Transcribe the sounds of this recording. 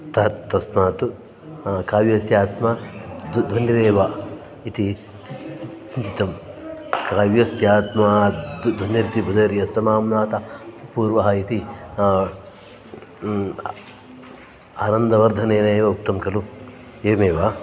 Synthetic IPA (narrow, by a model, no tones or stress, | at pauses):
t̪ɐt̪ɐsmaːt̪u | kaːʋjɐsjaːt̪madd̪ʱɐnːɐɾeːʋa | it̪i | sint͡ʃit̪ɐmkaːʋjɐsjaːt̪mad̪d̪ʱɐnjɐɾit̪ibʱud̪ɐɾijɐsɐmaːmnaːt̪ɐppuːɾʋɐɦɐit̪i | aːnɐnd̪ɐʋɐɾd̪ʱɐneːnɐːʋɐuk̚t̪ɐmkɐlu | eːmeːʋa